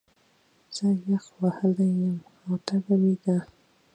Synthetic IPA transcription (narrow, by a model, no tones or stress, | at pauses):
z̥əjaxwahəlajəm | awt̪aɡawiɡa